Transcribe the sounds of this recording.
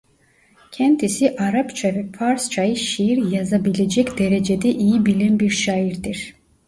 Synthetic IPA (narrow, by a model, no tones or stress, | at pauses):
kʰɛnt̪ʰisiʔaɾapt͡ʃʰavɛfaɾst͡ʃʰajɯʃijiɾjazabiled͡ʒɛkʲd̪eɾed͡ʒɛd̪ɛʔijibilɛnbiɾʃɑjiɾd̪iɾ